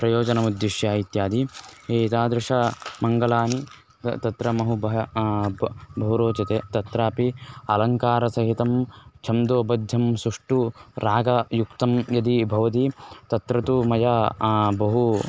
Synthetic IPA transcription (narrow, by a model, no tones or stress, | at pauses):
pɾɐjoːd͡ʒɐnɐmud̪jiʃjaːit̪jaːd̪ieːit̪aːd̪ɾɪʂɐmɐŋɡɐlaːni | t̪ɐt̪ɾɐmɐɦubɐ | bɐɦuɾoːt͡ʃɐt̪eːt̪ɐt̪ɾaːpiɐlɐŋkaːɾɐsɐɦit̪ɐmt͡ʃʰɐmd̪oːbɐd̪ʱjɐmsuʂʈuɾaːɡɐjukt̪ɐmjɐd̪ibʱɐʋɐt̪it̪ɐt̪ɾɐt̪umɐjɐbɐɦu